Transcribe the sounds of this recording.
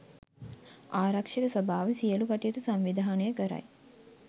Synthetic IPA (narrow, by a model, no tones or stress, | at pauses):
aːɾakʂekəsəbʱaːʋəsijəlukaʈijət̪usamʋid̪ʱaanəjəkəɾa̰j